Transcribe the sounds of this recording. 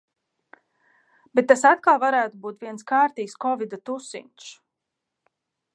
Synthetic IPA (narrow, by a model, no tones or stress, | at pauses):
b̥et̪ːasat̪̚kalˠvaɾæːt̪ubuːt̪viɛnskaːɾt̪iːkskɔvid̪at̪usḭnt̪s